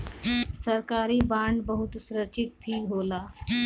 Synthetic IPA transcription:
sɐɾkaːɾibãːɳɖbɐɦʊt̪sʊɾət͡ʃɪt̪̚pʰiːɦoːlaː

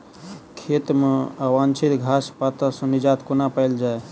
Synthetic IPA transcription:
kʰet̪meəwant͡ʃʰit̪ɡʱaspat̪əsə̃nid͡ʒat̪kunapəɪld͡ʒae

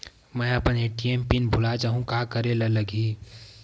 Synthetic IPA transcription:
mɛ̃ːɐpəneːʈieːmpinbʱʊlat͡ʃaːɦũkaːkəɾelɐlɐɡiː

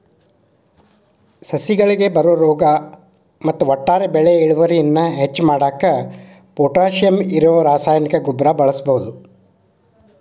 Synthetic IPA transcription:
sɐsiɡɐɭiɡe̞bɐɾuʋɐɾɔːɡɐ | mɐt̪ːuʋɔʈːaːɾebɛɭeiɭuʋɐɾijɐnːɐɦet͡ʃːmaːɽaːkɐ | poːʈaːʃijɐmiɾooɾaːsaːjɐnikɐɡubɾɐbɐɭɐsɐbɐɦud̪u

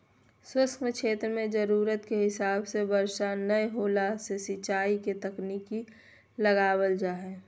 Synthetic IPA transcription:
swəskmkʃʰeːt̪ɾəmẽd͡ʒəɾuːɾət̪keɦɪsaːbsebəɾʃanəɦoːlasesɪt͡ʃaːiket̪əkniːki | ləɡaːwəld͡ʒaːɦɛː

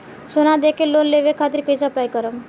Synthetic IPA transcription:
sonad̪ekelonleʋekʰat̪ɾikəisəplajkəɾəm

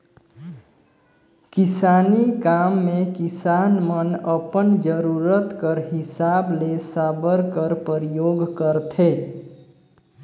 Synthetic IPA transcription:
kɪsanikamːekisanmənəpənd͡ʒəɾuɾət̪kəɾɦɪsablesabəɾkəɾpəɾijoɡkəɾt̪ʰe

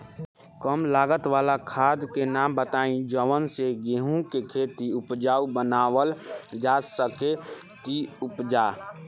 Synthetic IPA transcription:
kəmlaːɡət̪ʋaːlakʰaːd̪kenaːmbət̪aːĩd͡ʒəʋənseɡeɦũkekʰeːt̪iʊpd͡ʒaːubənaːwəld͡ʒaːsəke | t̪iʊpd͡ʒaː

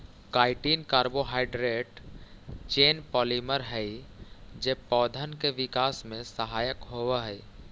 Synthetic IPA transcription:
kaːɪʈiːnkaːɾboɦaːɪɖɾeːʈ | t͡ʃeːnpɔːliməɾɦɛid͡ʒeːpɔːd̪ʱənkeʋɪkaːsmẽsəɦaːjəkɦoːʋaɦɛ

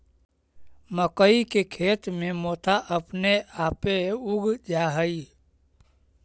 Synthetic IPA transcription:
məkəikekʰeːt̪mẽmoːt̪ʰaʔəpneaːpeuɡʱd͡ʒaːɦəi

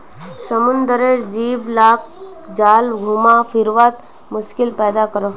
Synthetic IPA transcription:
səmʊnd̪əɾeɾd͡ʒiːʋlaːk̚ | d͡ʒaːlɡʱuːmafɪɾʋaːt̪ | mʊʃkɪlpɛːd̪akəɾo

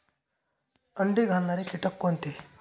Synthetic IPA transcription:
əɳɖiɡʱannaɾikiʈɐkːont̪i

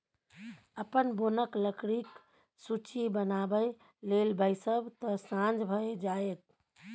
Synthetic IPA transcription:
əpənbonəkləkɾik | sut͡ʃibənabəj | lelbəjsəbt̪ɔsãnd͡ʒbʱəed͡ʒaet̪̚

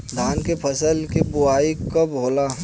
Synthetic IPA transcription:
d̪ʱaːnkepʰəsəlkibʊaːikɐbɦoːla

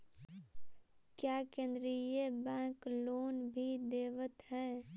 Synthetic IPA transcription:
kjaːkẽːnd̪ɾijebɛ̃ːkloːnbʱid̪eːʋət̪ɦɛː

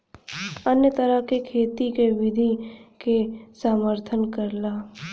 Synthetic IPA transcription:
ənjət̪ɐɾəkekʰeːt̪ikeʋɪd̪ʱikesaːməɾt̪ʰənkəɾlaː

